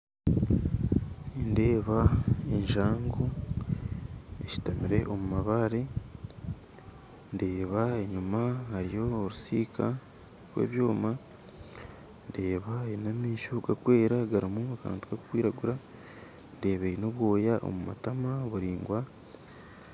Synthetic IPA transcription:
inde̞ːβaeɲʒaːŋɡo | eʃi̥tamiɾe̞ʔomumaβaɾe | nde̞ːβae̞ɲumahaɾijo̞ːɾusiːkʰa | ɾwḛːβjo̞ːma | nde̞ːβaenamiːʃoɡakwe̞ːɾaɡaɾimuaka̰ːntuɡaku̥kwiːɾaɡuɾa | nde̞ːβeino̞βwo̞ːjaʔo̰muma̰tamaβuɾiːŋɡwa

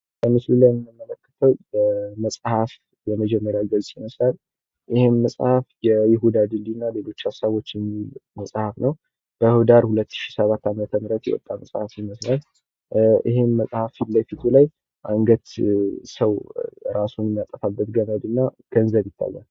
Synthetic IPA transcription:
kʰəmɨslulajmːəmːələkːə̥t̪ʰəwbəməsʼhaf | jɛməd͡ʒɛmːəɾjaɡəlsʼjiməslal | ʔɪhenːəsʼhafjɛjɪɦud̪ad̪ɨld̪inːale̞lo̞t͡ʃːasaβo̞t͡ʃːjɛmːilməsʼhafnəw | b̥əhud̪aɾhulət̪ːɨ̥ʃi̥səβat̪ːamət̪ʰəmɨɾət̪jɛ̰wɔ̰t̪ʼːaməsʼhafjiməslal | ʔḭɦenːəsʼhafilːəfit̪ʰulaj | ʔaŋɡət̪səwɾasunjɛmːijat̪ʼːəfabːət̪ɡəməd̪ɨnːaɡ̥ənzəβjɪt̪ʰːa̰jːa̰l

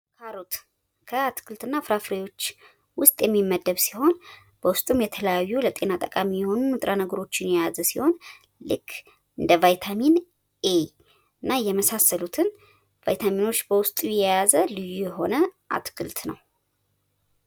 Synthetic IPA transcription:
kʰaɾut̪ | kʰəat̪kʰɨlt̪ɨnːafɾafɾejo̞t͡ʃː | wʊst̪ʼjɛmːimːəd̪ːəβsi̥ho̞n | b̥əwʊst̪ʼumjɛt̪ʰələjajːulət̪ʼe̞nat̪ʼəkʼamijɛho̞nuɨt̪ʼɾanəɡəɾo̞t͡ʃːɪnjɛjazəsiho̞n | lɨkː | ʔɨnd̪əvajt̪ʰamin | ʔe | ɨnːajɛməsasːəlut̪ʰɨn | va̰jt̪ʰamino̞t͡ʃːbəwʊst̪ʼujjɛjazəlɨjːujɛɦo̞nəʔa̰t̪kʰɨlt̪ʰnə̰w

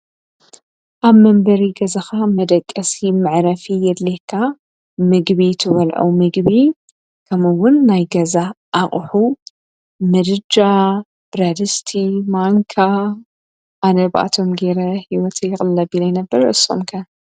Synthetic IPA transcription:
ʔaβmɐmbɐɾiɡɐzaxamɐd̪ɐkʼːɐsimɨʕɾɐfijɛd̪lekʰːa | mɨɡβit̪ʰɨβɐlʕṵmɨɡβi | kʰɐmɨwːʊnːajɡɐza | ʔaχʼħu | mɨd̪ɨd͡ʒa | b̥ɾad̪ɨst̪ʰimaŋkʰa | ʔanɐβʔa̰t̪ʰo̞mɡeɾɐhiwɔt̪ʰejɪxʼɨlːɐbilajnɐbːɐɾɐʔɨso̰mkʰɐ

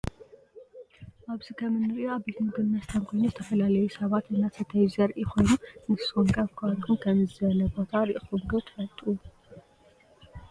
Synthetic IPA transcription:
ʔaβzikʰɐmɨnːɨɾɨoabet̪mɨɡɨːɐst̪ʰɐmkʰo̞jnuzɨt̪ʰɐfɐlalɐjusɐβat̪ʔɨnːasɨt̪ʰɐjzɐɾʔikʰo̞jnunɨssoŋkʼɐfkʰat̪kʰumkʰɐmzɨzɐlɐbo̞t̪ʰaɾiʔxumɡɐt̪ʰfɐlt̪ʼu

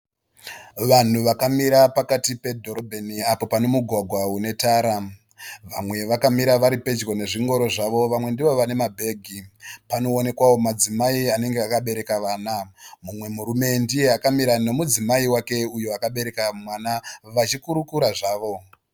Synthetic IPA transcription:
ʋan̤uʋakamiɾapakatipe̞dʱo̞ɾo̞bʱeniapo̞pane̞muɡʱwaɡʱwaune̞taːɾa | ʋamwe̞ʋakamiɾaʋaɾipe̞d͡ʒko̞ne̞ʐiŋɡo̞ɾo̞ʐaʋo̞ʋamwe̞ndiʋo̞ʋane̞mabʱe̞ːɡʱipano̞ːne̞kwawo̞mad͡zimaiane̞ŋɡe̞akaɓe̞ɾe̞kaʋaːnamumwe̞muɾume̞ndie̞akamiɾano̞mud͡zimaiwake̞ujoakaɓe̞ɾe̞kamwanaʋat͡ʃikuɾukuɾaʐaːʋo̞

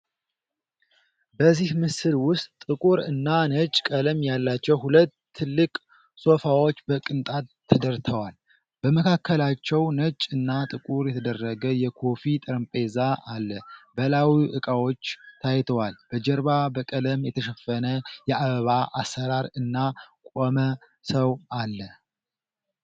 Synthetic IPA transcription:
bəzːihmɨsɨlwʊst̪ʼɨkʼuɾɨnːanət͡ʃʼkʼələmjalːat͡ʃːɛwhulət̪ʰːɨlːɨkʼ | so̞fawo̞t͡ʃːbəkʼɨnt̪ʼat̪ʰːəd̪əɾt̪ʰəwal | b̥əməkʰakʰːəlat͡ʃːɛwnət͡ʃʼɨnːat̪ʼɨkʼuɾjɛt̪ʰəd̪ərːəɡəjɛkʰo̞fit̪ʼɨɾɨmpʼezaʔalːəbəlawiʔɨkʼawo̞t͡ʃːt̪ʰajɛt̪ʰəwalb̥əd͡ʒɛɾβabəkʼələmjɛt̪ʰəʃɛfənəjɛʔaβəβaʔasəɾaɾɨnːakʷʼomə | səwalːə

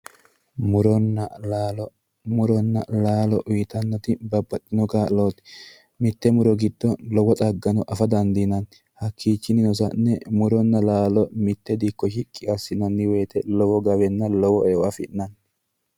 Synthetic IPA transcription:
mʊɾɔnːɐ | mʊɾɔnːɐlaːlɔʔʊjɪt̪ɐnːɔt̪ɪbɐbːɐt̪ʼːɪnɔkaːloːt̪ɪ̥ | mɪt̪ːɛmʊɾɔɡɪd̪ːɔlɔwɔt̪ʼɐɡːɐnɔʔɐfɐd̪ɐnd̪ɪnɐn | hɐkʰːiːt͡ʃːɪnɪnɔs̬ɐnːɛmʊɾɔnːɐlaːlɔmɪt̪ːɛd̪ɪkːɔʃɪkʼːɪɐsːɪnɐnːɪweːt̪ɛlɔwɔɡɐβɛnːɐlɔwɔɛɔʔɐfɪnːɐn

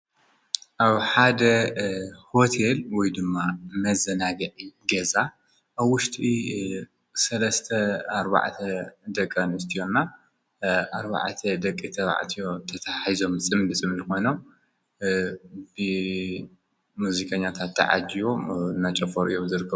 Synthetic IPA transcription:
ʔaβħad̪ɐ | ho̞t̪ʰelwɔjd̪ɨmːamɐzɐnaɡɐʕiɡɐza | ʔaβwːʊʃt̪ʼi | sɐlɐst̪ʰɐaɾba̰ʕt̪ʰɐd̪ɐkʼːɐnɨst̪ʰijo̞nːa | ʔaɾba̰ʕt̪ʰɐd̪ɐkʼːit̪ʰɐβa̰ʕ̰t̪ʰijo̞t̪ʰɐt̪ʰaħizo̞msʼɨmdɨsʼɨmnɨko̞jno̞m | bɨ | muzikʼɐɲːat̪ʰat̪ʰːa̰ʕa̰d͡ʒijonat͡ʃʼɐfoɾʔɨ̰jomzɨɾɨkʰːɐ

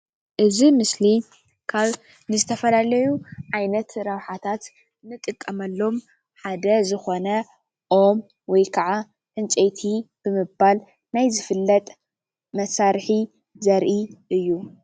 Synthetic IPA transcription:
ʔɨzimɨsli | kʰaβ | nɨzɨt̪ʰɐfɐlalɐjuʕajnɐt̪ɾɐβħat̪ʰat̪ | nɨt̪ʼɨkʼːɐmɐlːo̞m | ħad̪ɐzɨxo̞nɐ | ʔo̞m | wɔjkʰaʕa | ʔɨnt͡ʃʼejt̪ʰib̥ɨmɨbal | najzɨfɨlːɐt̪ʼ | mɐsaɾħi | zɐɾʔiʔɨjːu

